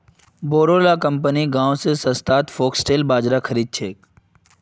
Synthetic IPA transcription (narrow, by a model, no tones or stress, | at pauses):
boːɾoːlakəmp̬əniɡãːwsesɐst̪aːt̪fʰoːksʈeːlbaːd͡ʒɾakʰəɾiːd̪̚t͡ʃʰeːk